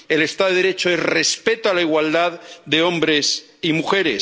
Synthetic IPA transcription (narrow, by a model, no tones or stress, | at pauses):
e̞le̞st̪aðeɾet͡ʃoesre̞spe̞t̪oalaiɣwald̪aðd̪e̞o̞mbɾe̞s | imuxe̞ɾḛs